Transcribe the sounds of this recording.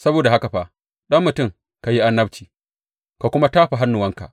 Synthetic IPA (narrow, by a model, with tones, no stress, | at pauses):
sɐ˦boː˨da˨ha˦ka˨ɸaː˦ | ɗɐ˦mːʊ˨tʊ˦˨ŋ | ka˨ji˦ʔa˦nːɐ˦bt͡ʃiː˨ | ka˨kʷʊ˦ma˦taː˦ɸa˨ɦa˦nːʊ˨wɐ˦ŋka̰˨ʔ